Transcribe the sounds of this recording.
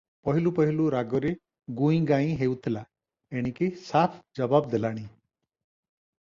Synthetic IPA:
pɔɦilupɔɦiluɾaɡɔɾe | ɡuĩɡaĩɦewt̪ʰila | eɽ̃ikisapʰd͡ʒɔbabd̪elaɽ̃i

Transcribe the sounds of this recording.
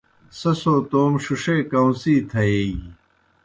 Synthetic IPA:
sɐsoːt̪oːmɕuʂeːkɐw̃siːt̪ʰɐeːɡi

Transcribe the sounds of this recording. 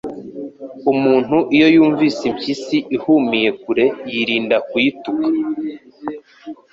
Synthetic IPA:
umuːn̥huʔijo̞juːɱviːsimcisiʔihumije̞k̚uɾe̞jiɾiːndakwuitukḁ

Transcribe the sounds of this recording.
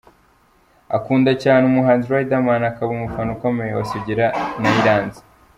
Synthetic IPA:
a̰kuːndacaːneumuɦaːnziɾwaidamaːnakaβumufanukomejewa̰siɟiɾanaiɾaːnzi̥

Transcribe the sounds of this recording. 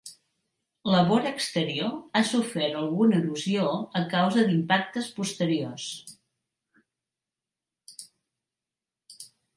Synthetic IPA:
ləβoɾəkst̪əɾioasufɛɾt̪əlˠɣuniluzioəkawzəd̪impak̚t̪əspust̪əɾios

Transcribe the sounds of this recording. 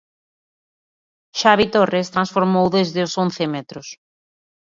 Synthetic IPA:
ʃaβit̪orest̪ɾansfoɾmowðezðɪʊsõnθɪmɛt̪ɾʊs

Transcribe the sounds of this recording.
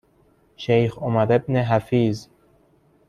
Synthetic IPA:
ʃejxomæɾebneɦæfiːz

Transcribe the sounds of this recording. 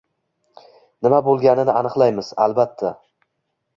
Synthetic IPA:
nɪmabolˠɡʲanɪnɪanɨqlˠajmɪz̥a̰lˠbat̪ʰːa

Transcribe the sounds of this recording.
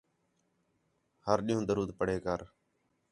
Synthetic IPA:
həɾɗĩːũːd̪əɾuːd̪̚pəɽ̤eːkəɾ

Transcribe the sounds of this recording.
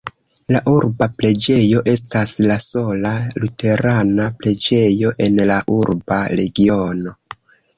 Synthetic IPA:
laʔuɾbapɾe̞d͡ʒe̞jo̞ʔe̞staslaso̞lalutʰe̞ɾanapɾe̞d͡ʒe̞jo̞ʔe̞nlaʔuɾbaɾe̞ɡio̞no̞

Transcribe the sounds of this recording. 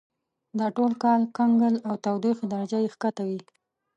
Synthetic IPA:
d̪ɑʈolkɑlkaŋɡəlawt̪awd̪ixid̪aɾad͡ʒajexkat̪awi

